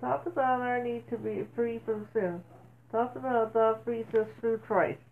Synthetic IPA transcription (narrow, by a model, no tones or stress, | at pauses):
t̪ʰɔksəbaʊɾanid̚tʰɨbifɹifɹʌ̃msɪ̃n | t̪ʰɔksəbaʊt̚ðəfɹisɨstɹʉtʰɹ̥aɪs